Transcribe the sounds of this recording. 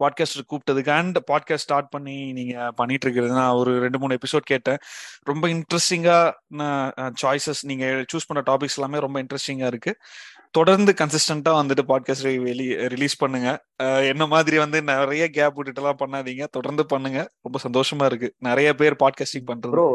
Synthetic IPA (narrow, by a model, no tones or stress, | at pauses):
paːɖ̚kaːsʈkuːp̚ʈːɐðɯkːɐɳɖpaːɖkaːssʈaːɾʈ̚pɐɳːiniːŋɡɐpɐɳːɪʈːɾɯkːɪɾɐðɯnãːɔɾɯɾɛɳɖɯmuːɳɛpɪsoːɖ̚keːʈːẽːɾɔmbɐɪɳɖɾɛsʈɪŋɡaːnãːt͡ʃaːjsɐsniːŋɡɐt͡ʃuːspɐɳrɐʈaːp̬ɪksɛlaːmeːɾɔmbɐɪɳʈɾɛsʈɪŋɡaːɪɾɯkːɯt̪ɔɽɐɾnd̪ɯkɐnsɪsʈɐɳʈaːʋɐnd̪ɯʈːɯpaːɖ̚kaːsʈɾɪliɾɪliːspɐɳːɯŋɡɐ | ɛnːɐmaːðɪɾiʋɐnd̪ɯnɪɾɐjɐɡaːpːʊʈɪʈːɛlãːpɐɳːaːðiːŋɡɐt̪ɔɽɐɾnd̪ɯpɐɳːɯŋɡɐɾɔmbɐsɐnd̪oːʂɐmaːɪɾɯkːɯnɪɾɐjɐp̬eːɾpaːɖ̚kaːsʈɪ̃ŋpɐɳːɾɐðo